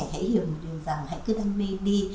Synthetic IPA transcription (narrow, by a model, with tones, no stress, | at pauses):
hḛ˧˥hi˨˧˩wmo˨˩t̚ɗɨ˨˩əŋza˨˩ŋha̰˧˥jkɨ˨˦t̪ʰa˧ŋmi˧ɗi˧